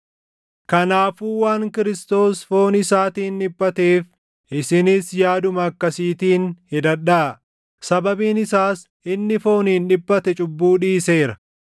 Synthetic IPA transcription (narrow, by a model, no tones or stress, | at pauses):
kɐnaːfuːwaːŋkɪɾɪst̪o̞ːsfo̞ːnɪsaːt̪iːnᶑɪbːɐt̪eːf | ʔɪsɪnɪsjaːd̪ʊmɐːkːɐsiːt̪iːnhɪd̪ɐᶑaː | sɐbɐbiːnɪsaːs | ʔɪnːɪfo̞ːniːnᶑɪbːɐt̪ɛt͡ʃʼʊbːuːᶑiːse̞ːɾɐ